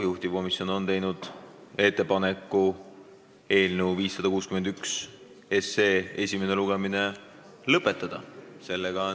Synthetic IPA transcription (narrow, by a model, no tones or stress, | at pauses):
juht̪iko̞misjo̞no̞nt̪e̞jnud̪̥e̞t̪ˑːe̞pɑnekːˑu | e̞ːlnəwviːsːɑd̪ɑkuːskymend̪yks | e̞se̞ːe̞sʲime̞neluɡ̥emine̞ | lɤpːˑe̞t̪ːˑɑd̪̥ɑse̞lːeɡ̥ɑ